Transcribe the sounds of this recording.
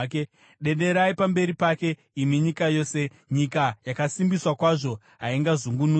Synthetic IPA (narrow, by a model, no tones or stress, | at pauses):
ke | ɗe̞ɗe̞ɾaipambe̞ɾipake̞ | imiɲikajo̞ːse̞ | ɲikajakasimbiswakwaʐo̞ | ɦaiŋɡazuŋɡunu